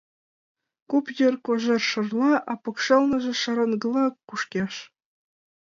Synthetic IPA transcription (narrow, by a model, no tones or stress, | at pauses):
kupjɤ̆rkoʒerʃɤ̆rlˠɑʔɑpɤ̆kʂɤlˠnɤ̆ʒĕʃɑɾɤ̆nɡɤ̆lˠɑkːuʂkʲeʃ